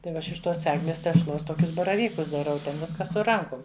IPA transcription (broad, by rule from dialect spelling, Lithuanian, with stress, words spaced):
tɐɪ ˈʋɐ ˈɐʃ ɪʃ ˈtoːs ˈæːɡlʲɛs tʲɛʃˈlˠoːs ˈtoːkʲʊs bɐrɐˈʋʲiːkʊs dɐˈrɐʊ ˈtʲɛn ˈʋʲɪskɐ sʊ ˈrɐŋkʊm